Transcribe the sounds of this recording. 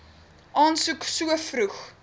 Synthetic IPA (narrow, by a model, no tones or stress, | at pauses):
ʔɑːnsuksuəfruχ